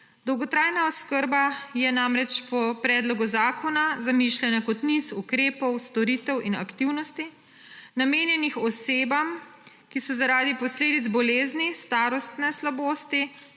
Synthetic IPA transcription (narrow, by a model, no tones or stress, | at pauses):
d̪ɔwɡɔt̪ɾaːjnaɔskəɾbajɛnamɾɛt͡ʃpɔpɾɛːd̪lɔɡuzaːkɔnazamiʃlɛnakɔt̪nisukɾeːpɔwst̪ɔɾit̪ɛwina̰kt̪iwnɔst̪i | nameːnjɛnixɔseːbam | kisɔzaɾaːd̪ipɔsleːd̪itd̪zbɔleːznist̪aːɾɔst̪nɛslaboːst̪i